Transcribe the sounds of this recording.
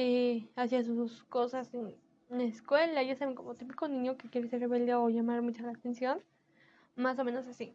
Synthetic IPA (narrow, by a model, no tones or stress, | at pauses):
easjas̬uusko̞sase | neskwe̞laʝasaβeŋko̞mot̪ipiko̞nĩɲo̞ke̞kje̞ɾese̞ɾreβe̞ld̪jaoʝamaɾmut͡ʃalaːt̪e̞nsjo̞n | mas̬o̞mẽnos̬asi